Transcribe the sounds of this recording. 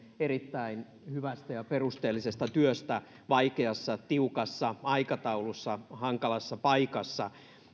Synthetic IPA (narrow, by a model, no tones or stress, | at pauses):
erit̪ːæin | hyʋæst̪æjɑperust̪eːlːisest̪ɑt̪yøst̪æ | ʋɑikeɑsːɑt̪iukɑsːɑɑikɑt̪ɑulusːɑhɑŋkɑlɑsːɑpɑikɑsːɑ̰